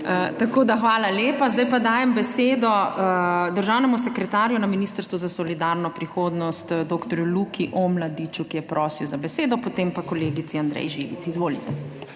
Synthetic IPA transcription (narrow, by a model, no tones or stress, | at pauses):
ət̪akoːd̪axʋaːlaleːpazd̪ajpad̪aːjɛmbɛseːd̪ɔ | d̪əɾʒaːwnɛmusɛkɾɛt̪aːɾjunaminiːst̪əɾst̪ʋuzasɔlid̪aɾnɔpɾixoːd̪nɔst̪d̪oːkt̪ɔɾjulukʰiʔɔmlad̪it͡ʃukijɛpɾʔɔːsiwzabɛseːd̪ɔpot̪empakɔleːɡit̪siand̪ɾɛ̰jʒiʋḭt̪sizʋoːlit̪ɛ